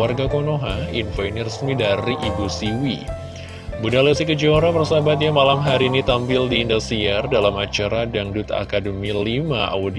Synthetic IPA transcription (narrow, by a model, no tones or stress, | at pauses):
arɡakonoɦainfainirəsmidaɾiʔibusiwi | bunalesikəd͡ʒoɾabərsabat̪̬̚jamalamɦaɾiːnit̪ampɪldiːndasiɛrdalamat͡ʃaɾadaŋdut̪a̰kadəmilima̰a̰wud